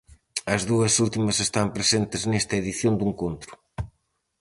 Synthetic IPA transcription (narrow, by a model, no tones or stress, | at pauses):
ɐzðuɐsult̪imɐsest̪ampɾesent̪ɪznest̪ɐeðiθjond̪uŋkont̪ɾʊ̥